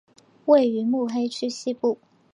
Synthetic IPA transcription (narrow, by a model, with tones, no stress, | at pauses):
we˥˩ɪy˧˥mu˥˩xe˥ɪt͡ɕʰy˥ɕi˥pu˥˩